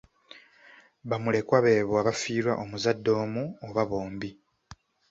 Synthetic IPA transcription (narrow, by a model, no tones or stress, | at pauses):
βamule̞kwaβe̞ːβwaːβafiːɾwa̰ʔomuzadːo̞ːmuoβaβo̞ːmbi